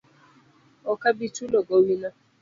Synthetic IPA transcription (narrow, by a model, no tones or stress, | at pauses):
ɔkabit͡ʃuloɡowina